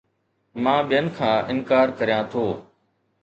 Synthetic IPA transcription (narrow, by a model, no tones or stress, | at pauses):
mãːɓɪjənɪ̆kʰãːʔɪnkaːɾkəɾijãːt̪ʰoː